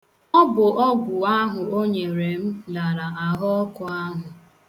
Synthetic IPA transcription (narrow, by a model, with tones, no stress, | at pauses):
ɔ˦bʊ˨ʔɔ˦ɡʷʊ˨a˦ɦʊ˨o˦ɲe˨ɾe˨m̩˦la˨ɾa˨ʔa˨ɦɔ˦kʊ˨a˦ɦʊ˨